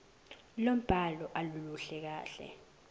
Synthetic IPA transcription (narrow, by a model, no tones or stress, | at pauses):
lom̩b̥ʱalɔʔaluluɬɛk̬aːɬɛ̰